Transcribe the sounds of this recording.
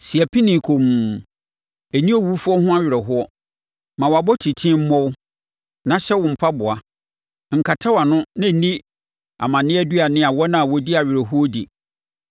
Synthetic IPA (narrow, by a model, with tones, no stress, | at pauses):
si˨ɛ˨pʰi˦nĩ˨kʰo˨mũ˨ | æ˨nĩ˦o˦wu˨˦fʊ˦ɔ˦hʊ̃˦a˦ɥɪ˨ɾɛ˨ɦʊ˦ɔ˦ | mã˨wɔ˨a˨bɔ˦tʰi˨tʰĩ˦m̩˦mɔ̃˦w | nã˨ɕɛ˦wʊ̃˨m̩˨pʰa˦bʊ˨a˨ | ŋ̩˨kʰa˨tʰa˦wa˨nʊ̃˦nã˦˨nĩ˦ | a̰˨mã˨nɪ̃˦ɛ˦dɥa˨nɪ̃˦a˨wɔ˦nã˦˨wɔ˦di˦a˨ɥɪ˨ɾɛ˨ɦʊ˦ɔ˦dḭ˨